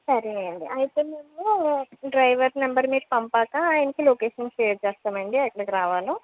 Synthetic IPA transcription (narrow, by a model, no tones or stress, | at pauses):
sɐɾieɳɖḭʔɐjit̪eːmemːuɖɾɐjʋɐɾnɐmbɐɾmiːʈ̚pɐmpaːkaaːjɐnɐkiloːkeːʂɐnʃeːɾt͡ʃɛːst̪aːmɐɳɖiɐkːɐɽɐkiɾaːʋaːlu